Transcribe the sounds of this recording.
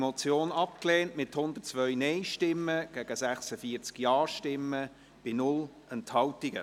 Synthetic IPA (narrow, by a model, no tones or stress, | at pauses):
mot͡sjoːnɑpkleːntmɪthʊnd̪ətt͡svœɥnɛɪʃtɪmːəɡ̥æɡ̥əsæχsəfiːt͡skjɑːɹʃtɪmːə | b̥ɪnʊl | ɛnthɑltiɡ̥ə̰